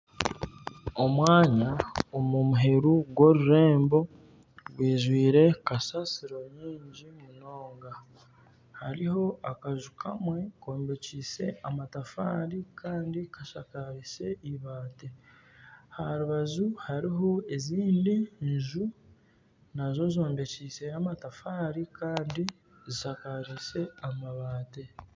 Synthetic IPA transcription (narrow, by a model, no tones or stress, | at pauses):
o̞mwaːɲaomumuɦe̞ɾuɡwo̞ɾuɾe̞ːmbo̞ | ɡwiːʒwiːɾe̞kasasiɾo̞ɲiːɲɟimuno̞ːŋɡa | haɾiho̞akaʒukʰamwe̞koːmbe̞ciːse̞amatafaːɾikʰaːndikaʃakaɾise̞iβaːte | haɾuβazuhaɾiɦo̞eziːndiɲʒu | nazo̞zo̞ːmbe̞ciːse̞namatafaːɾikaːndi | zisakaɾise̞amaβaːte̞